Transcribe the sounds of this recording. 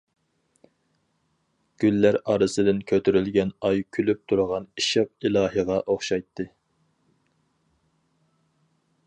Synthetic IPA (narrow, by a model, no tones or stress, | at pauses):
ɡ̥ʲylːæɾɑɾɨsɨd̪ɪnkʲʰøt̪ʰyɾylɡʲɛnɑjkʲʰylyp̚t̪ʰuɾʁɑniʃɑpilˠɑːɦəʁɑʔoχʃɑjt̪ʰːɨ